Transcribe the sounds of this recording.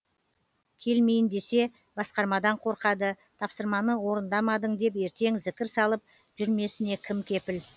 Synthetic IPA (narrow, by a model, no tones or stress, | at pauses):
kʲʰe̞lme̞jɪnd̪e̞se̞ | bɑsqɑɾmɑd̪ɑɴqʰo̞ɾqɑd̪ə | t̪ʰɑpsəɾmɑnəwo̞ɾənd̪ɑmɑd̪əɴd̪e̞p̬e̞ɾt̪e̞ŋzɪkʲɪɾsɑlˠəp̚ | ʒ̥ʏɾme̞sɪne̞kʲʰɪmkʲʰe̞pɪl